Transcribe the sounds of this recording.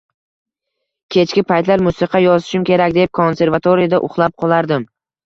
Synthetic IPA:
kʲʰe̞t͡ʃkʲɪpʰajt̪laɾmʊsɨqʰɑjɒzɪʃɪmkʲʰe̞ɾakʲd̪e̞p̚kʰonse̞ɾvat̪ʰoɾɪijad̪aʔʊ̰χlˠap̚qʰɒlˠaɾd̪ɪm

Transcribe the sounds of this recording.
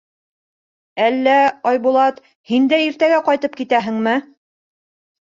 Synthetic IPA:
ælːæɑjbulˠɑt̪ | hind̪æiɾt̪æɡæqɑjt̪ɤp̚kit̪æɦɘ̆ŋmɘ

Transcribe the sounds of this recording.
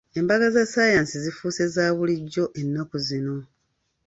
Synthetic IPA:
e̞mbaɡazasaːjaːnsizifuːse̞zaːβuliɟːo̞ʔe̞nːakuzino̞

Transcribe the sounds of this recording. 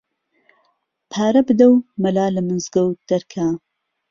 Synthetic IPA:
pʰaːɾɐbɨd̪ɐwmɐlaːlɐmɨnzɡɐwd̪̥ɐɾkʰaː

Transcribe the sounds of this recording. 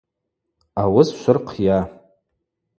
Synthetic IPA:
awʊsʃʷʊrqʰja

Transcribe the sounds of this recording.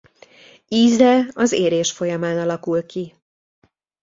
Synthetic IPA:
iːzɛɒzeːɾeːʃfo̞jɒmaːnɒlɒkulki

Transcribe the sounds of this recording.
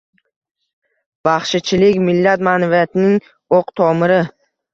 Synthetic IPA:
baχʃɪt͡ʃʰɪlɪkʲmɪlːat̪manavijat̪ʰɪnɪŋ | oqt̪ʰɒmɪɾɪ

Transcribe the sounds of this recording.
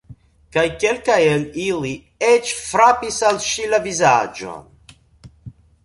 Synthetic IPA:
kajkelkajelili | et͡ʃfɾapisalʃilavizad͡ʒo̰n

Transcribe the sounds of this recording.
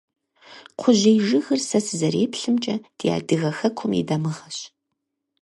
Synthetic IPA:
qʷʰʊʑejʒɨɣɨrsɐsɨzɐɾeːpɬɨmt͡ʃʼɐd̥ija̰ːdɨɣɐxɐkʷʰʊmḭdɐmɨʁɐɕ

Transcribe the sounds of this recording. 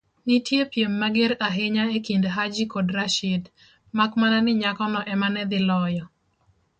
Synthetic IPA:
nitjepjemːaɡɪɾaɦeɲaekindɦad͡ʒikodɾaʃɪd | makmananɪɲakɔnɔʔɛmanɛd̪ɪlɔjɔ

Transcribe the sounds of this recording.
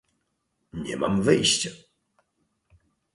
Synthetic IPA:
ɲɛ̰ma̰mvɘjɕt͡ɕa

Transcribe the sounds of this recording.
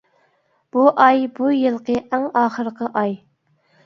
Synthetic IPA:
b̥uʔɑjbujɨlˠqəʔæŋɑːχəɾəqʰəʔɑj

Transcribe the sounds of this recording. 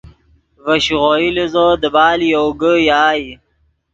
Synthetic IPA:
vɐɕʁoilizod̪əbaːlijoɡəjaːi

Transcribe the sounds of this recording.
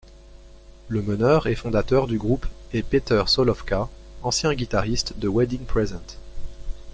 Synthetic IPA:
ləmənœʁɛfɔ̃d̪at̪œʁd̪yɡʁupɛpet̪œʁsɔlɔfka | ɑ̃sjɛ̃ɡʲit̪aʁist̪d̪əwɛd̪iŋpχɛzɑ̃t̪

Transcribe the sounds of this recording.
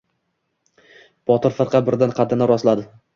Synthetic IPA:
b̥ɒt̪ɪɾfɨɾqʰɑbɪɾd̪anqʰɑd̪ɪnaɾɒslad̪ɪ

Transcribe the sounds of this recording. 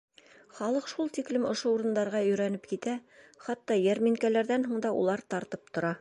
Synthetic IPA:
χɑlˠɤqʃulˠt̪iklɘmŏʃouɾɤ̆nd̪ɑɾʁɑɵ̆ɾænɘpkit̪æχɑt̪ːɑjæɾmiŋkælæɾðænɦuɴd̪ɑʔṵlˠɑɾt̪ɑɾt̪ɤp̚t̪ŏɾɑ

